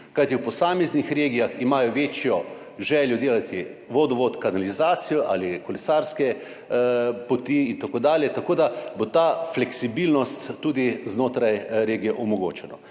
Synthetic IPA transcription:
kajt̪iwpɔsaːmɛznixɾeːɡijaximaːjɔʋeːt͡ʃjɔ | ʒɛːljɔd̪eːlat̪iʋoːd̪ɔʋoːt̪kanalizaːt̪sijɔʔaːlikɔlɛsaɾskɛ | pot̪iːnt̪akoːd̪aːljɛt̪akoːd̪abot̪aflɛksibilnɔst̪ːuːd̪iznoːt̪ɾajɾeːɡijɛʔɔmɔɡo̰ːt͡ʃɛnɔ̰

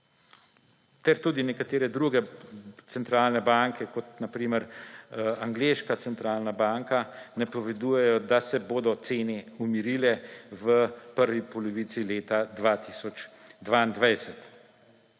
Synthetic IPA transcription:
t̪ɛɾt̪uːd̪inɛkat̪eːɾɛd̪ɾuɡɛsɛnt̪ɾaːlnɛbaŋkʰɛkɔt̪napɾiːməɾ | aŋɡleːʃkat̪sɛnt̪ɾaːlnabaŋkanɛpɔʋɛd̪uːjɛjɔd̪asɛboːd̪ɔt̪seːnɛumiɾilɛʋəpəɾʋipɔlɔʋit̪sileːt̪ad̪ʋat̪isɔt͡ʃd̪ʋaːind̪ʋɛjsɛt̪

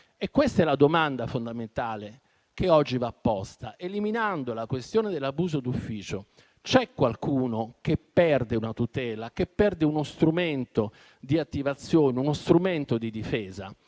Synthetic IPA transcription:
ekːwest̪aɛlad̪omand̪afond̪ament̪aːle | keɔd͡ʒːivapːɔst̪aʔeliminand̪olakwest̪joːned̪elːabuːzod̪ufːiːt͡ʃo | t͡ʃɛkːwalkuːnokepːɛrd̪eunat̪ut̪ɛːlakepːɛrd̪eunost̪ɾument̪o | d̪iat̪ːivat̪sːjoːneunost̪ɾument̪od̪id̪ifɛːza

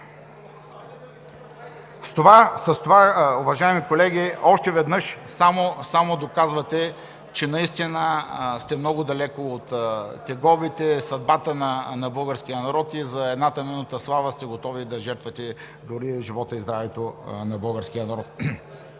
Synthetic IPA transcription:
st̪ovasɐst̪ovaʊvɐʒaimikolɛɡʲiɔʃt̪ɛvɛd̪nɤʃsamosamod̪okazvɐt̪ɛ | t͡ʃɛnɐist̪inəst̪ɛmnɔɡʊd̪ɐlɛkoːt̪ːɛɡɔbit̪ɛsɐd̪̚bat̪ənɐnɐbɤlˠɡəɾskʲijənɐɾɔt̪izɐɛd̪nat̪ɐmɛnut̪əslˠavəst̪ɛɡot̪ɔvid̪ɐʒɛɾt̪vɐt̪ɛ | d̪ʊɾiʒivɔt̪əizd̪ɾavɛt̪onɐbɤlˠɡəɾskʲijənɐɾɔt̪̚

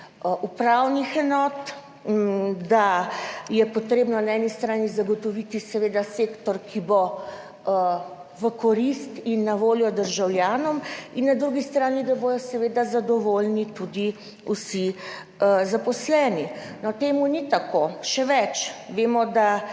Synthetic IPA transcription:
upɾawnixɛnɔːt̪ | d̪ajɛpɔt̪ɾeːbnɔnaɛnist̪ɾaːnizaɡɔt̪ɔʋit̪isɛʋeːd̪aseːkt̪ɔɾkʰibo | ʋəkɔɾist̪inːaʋoːljɔd̪əɾʒawljaːnɔminːad̪ɾuɡist̪ɾaːnid̪abojɔsɛʋeːd̪azad̪ɔʋolnit̪ud̪i | usi | zapɔslɛːninɔt̪eːmunit̪akoʃɛʋɛt͡ʃʋeːmɔd̪a

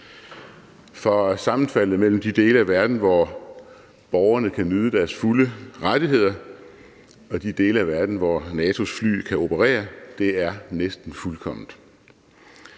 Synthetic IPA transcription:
fɒ̽sɑ̈mn̩fæl̰ð̩ˠmel̰m̩d̥id̥e̝̰ːləæʋæɐd̥n̩ʋɒ | b̥ɒʊɐnəkʰænyð̞ˠəd̥æɐsfuləʁad̥iɦe̝ð̞̰ˠɐ | ɒ̽d̥id̥e̝ːləæʋæɐd̥n̩ʋɒnɛːt͡sʰo̝sfly̰ːkʰæo̝pʰəʁḛːɐd̥e̝æɐnesd̥n̩fulkʰɒ̽m̰nd̩̥ˠ

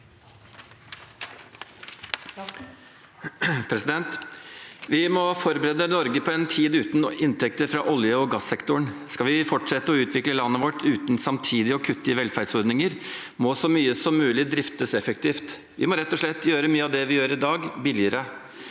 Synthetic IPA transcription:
pʰɾɛsɪd̪ɛnt̪ | ʋɪmɔfɔɾbəɾeːd̪ənɔɾɡəpʰɔɛːnt̪ʰiːd̪ʉːt̪n̩ɪnt̪ʰɛk̚t̪əɾfɾɑ̰ʔɔljəɔɡɑsɛkt̪ʊɳskɑʋɪfɔʈʂɛt̪ːəɔʉːt̪ʰʋɪkləlɑnːəʋɔʈːʉːt̪nsɑmt̪ʰiːd̪ɪɔkʰʉt̪ːəəʋɛlfæɖsɔɾd̪nɪŋəɾ | mɔsɔmyːəsɔmːʉːlɪd̪ɾɪft̪əsɛfək̚t̪ʰiːft̪ | ʋɪ̰mɔɾɛt̪ːɔʂɭɛt̪ːjøːɾəmyːəɑʋd̪ɛʋɪjøːɾɪd̪ɑːɡbɪlɪəɾə

